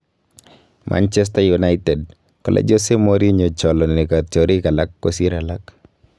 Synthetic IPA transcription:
mʔa̰nt͡ʃɛ˦s̬tajunaɪtɛ˨d̚ | kɔ˨lʔa̰d͡ʒose˦moɾi˦ɲo˨t͡ʃɔ˨lɔ˨n˨lɛ˨kat͡ʃɔɾika˨la˦kːosi˦ɾa˨la˦k

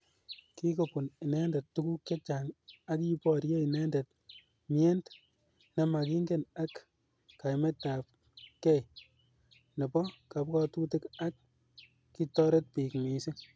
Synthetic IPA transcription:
ki˦ko˨pu˨nɪ˨nɛ˦ndɛ˨ttːu˦ku˦kt͡ʃe˦t͡ʃa˨ŋa˦ki˦pɔ˨ɾje˦i˨nɛ˦ndɛ˨t̚ | miɛ˦nd | na˨ma˨ki˦ŋɡe˦na˦k | ka˨jmɛ˦ta˨p̚ | kɛ˦j | nɐ˨pɔ˦ka˨˦p̚kɔ˦tu˦tɪ˦ka˦k̚ː | i˦tɔ˦ɾe˦t̚pi˨kmi˨sɪ˦

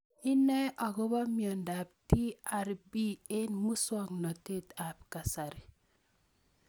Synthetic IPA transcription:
i˦nɛ˦ʔɔ˨ɡo˦ba˦mjɔ˨nda˨p̚ti˦a˦ɾbi˦e˦nmu˦swɔ˦ŋnɔ˨te˦t̪a˨p̚ka˨sa˨ɾi˨

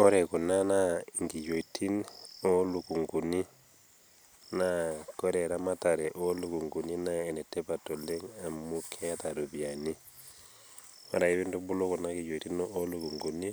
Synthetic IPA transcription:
ɔ˦ɾɛ˨ku˨na˦na˦ŋɡi˨jo˨tʰi˦no˦lu˨ku˨ŋɡu˨ni˦ | nakɔ˦ɾɛ˨ɾa˦ma˦ta˨ɾɛ˨ʔo˦lu˨ku˨ŋɡu˨ni˦naɛ˨nɛ˨tɛ˦pato˨lɛ˦ŋa˨mu˦kʰɛ˦ta˨ɾo˨bja˨ni˦ | a̰˦ɾa˨i˦βi˦ndu˦bu˦lo˦ku˨na˦ki˨jo˨iti˦no˦lu˨ku˨ŋɡu˨ni˦

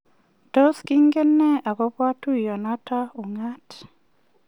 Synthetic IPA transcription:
to˦ski˦ŋɡɛ˦nːɛ˦a˨ko˦pwa˦tu˦jɔ˨na˦ta˦u˨ŋa˦t

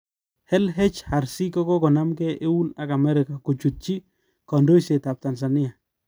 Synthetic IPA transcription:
hɛ˦lɦɛ˦t͡ʃha˨ɾsi˦kɔ˦kɔ˦kɔ˨na˦mkɛ˦ʔe˦u˦na˨ka˨mɛ˦ɾɪ˨ka˨ku˨t͡ʃu˨t̚t͡ʃi˦ | kɔ˨ndo˦jse˨ta˨p̚ta˨ns̬a˨nɪ˦a˨

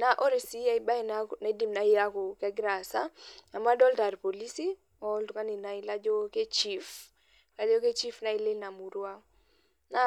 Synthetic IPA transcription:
na˨ʔɔ˦ɾe˨si˨˦a˦i˦ba˦i˨nana˨i˦di˦mna˨ja˦ko˨kɛ˦ɡɾa˨sa˦a˨ma˦dɔ˦lta˨ɾpo˨li˦si˦ | ɔ˦ltu˨ka˦ni˨na˨i˦la˦d͡ʒo˦ke˦t͡ʃi˦f | ka˨lo˦ke˦t͡ʃi˦fna˨i˦le˦lna˨mu˨ɾwa˦ | na˨

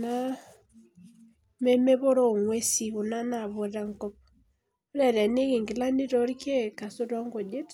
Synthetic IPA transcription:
na˦ | me˦me˦βo˦ɾɔ˦˨ŋwe˦si˨ɣu˨na˦na˨βo˨ɾa˦ŋkɔ˦p̚ | o˦ɾa˦˨ɾa˨ne˦ke˨ŋɡi˨la˦ni˦ɾɔ˨ɾke˦ka˨so˦ɾɔ˦ŋɡo˨d͡ʒe˦t

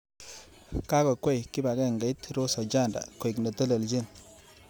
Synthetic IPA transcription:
ka˦kɔ˨kwɔ˦jki˦ba˨ɡɛ˦˨ŋɡa˨˦jt̪ɾo˦sa˨d͡ʒa˦˨nda̰˨ko˨i˨kna˨tə˦lə˨ld͡ʒi˦n

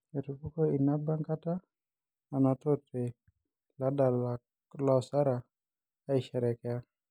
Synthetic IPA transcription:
e˨tu˨pu˦ko˦i˨na˦ba˦ŋka˦taː˦˨ | na˨to˦te˨ | la˦da˨la˨ | lɔ˨sa˦ɾa˨ | a˦i˨ʃɛ˨ɾɛ˨kɛ˦a˦

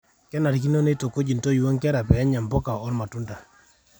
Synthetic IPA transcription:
kɛ˦na˨ɾi˨k̬i˦no˦ne˦to˨ko˦d͡ʒi˨nto˦jwɔ˦ŋkɛ˦ɾa˨pɛ˨ɛ˦ɲa˨mpɔ˦ka˨ɔ˦lma˨tu˦nda˨

